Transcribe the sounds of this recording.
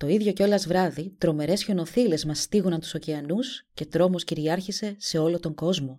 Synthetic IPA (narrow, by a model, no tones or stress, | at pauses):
t̪o̞iðʝo̞ce̞o̞lɐzvɾɐðit̪ɾo̞me̞ɾe̞sço̞no̞θile̞zmɐst̪iɣunɐnt̪u̥so̞ceɐnusce̞t̪ɾo̞mo̞sciɾiɐɾçise̞se̞o̞lo̞t̪o̞ŋɡo̞zmo̞